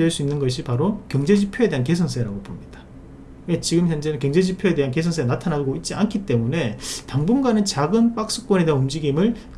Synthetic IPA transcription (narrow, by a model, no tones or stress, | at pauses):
eɭs͈uinːɯnɡʌɕʰipaɾokjʌŋd͡ʑe̞d͡ʑipʰjoe̞de̞ɦanke̞sʰʌns̬ʰeɾaɡopomɲid̥ḁ | wet͡ɕiɡɯmçjʌnd͡ʑeɯkjʌŋd͡ʑe̞d͡ʑipʰjoe̞de̞ɦankesʰʌnsʰeanatʰanaɡoit̚t͡ɕ͈iankʰit͈e̞mune̞taŋbunɡanɯnt͡ɕaɡɯnp͈ak̚s͈u̥k͈wʌne̞de̞ɦanumd͡ʑiɡimɯɭ